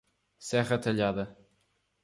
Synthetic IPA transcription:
sɛʁɐt̪ɐʎaðɐ

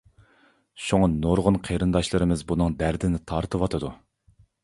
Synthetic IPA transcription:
ʃoŋɑnoɾʁʊnqʰeɾɨnd̪ɑʃlˠɨɾɨmɪzbunɨŋd̪æɾd̪ɪnɪt̪ʰɑɾt̪ʰɨwɑt̪ʰɨd̪u

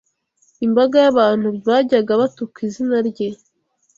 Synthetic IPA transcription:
imbaɡajaβaːn̥huɾβaɟaɡaβatukizinaɾɟe

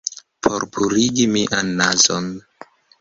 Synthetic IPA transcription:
pʰoɾpʰuɾiɡimiʔanːazon

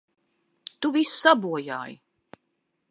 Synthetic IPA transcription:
t̪uvisu̥sabuɔja̰ːj

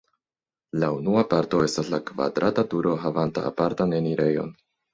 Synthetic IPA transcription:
launuapaɾto̞e̞staslakva̰dɾʔatatuɾo̞ɦavanta̰ːpaɾtane̞niɾe̞jo̞̰n

